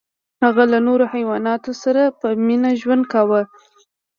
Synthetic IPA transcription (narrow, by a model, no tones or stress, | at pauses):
haɣalanoɾohajwɑnɑt̪osaɾapəminaʒwand̪̚kawə